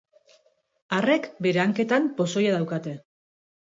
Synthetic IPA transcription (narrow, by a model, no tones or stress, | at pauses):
are̞kbe̞ɾe̞aŋke̞t̪ampo̞so̞jaðawkat̪e̞